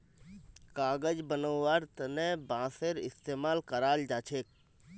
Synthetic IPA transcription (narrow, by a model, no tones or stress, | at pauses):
kaːɡəd͡ʒbənəːaːɾt̪ənebãːseɾɪ̰st̪eːmaːlkəɾaːld͡ʒaːt͡ʃʰek̚